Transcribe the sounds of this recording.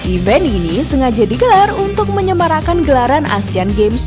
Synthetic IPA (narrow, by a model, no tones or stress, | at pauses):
ʔivɛninisəŋad͡ʒadiɡəlarunt̪ʊk̚məɲəmaɾakanɡəlaɾanʔa̰sianɡems